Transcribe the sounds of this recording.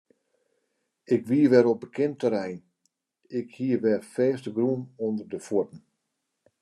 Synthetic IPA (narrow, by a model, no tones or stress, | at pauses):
ɪkʋiəʋɛɾop̚bəkʰɪntəɾɛjn | ɪkhiəʋɛrfɛːstəɡrunondərdəfutn̩